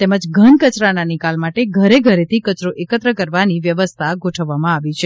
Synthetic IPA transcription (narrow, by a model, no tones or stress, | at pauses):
t̪eməd͡ʒɡʱənkət͡ʃɾananikalmaʈeɡʱəɾeɡʱəɾet̪ʰikət͡ʃɾoʔekət̪ɾəkəɾʋaniʋjəʋəst̪ʰaɡʱoʈʰəʋːamãaʋit͡ʃʰe